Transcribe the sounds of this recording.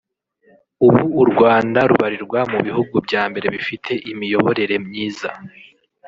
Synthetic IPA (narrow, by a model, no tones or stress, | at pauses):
uβuːɾɡwaːndaɾuβaɾiɾɡwamuβiɦuɡubɟaːmbe̞ɾe̞βifitʰe̞ʔimijo̞βo̞ɾe̞ɾe̞mɲiːza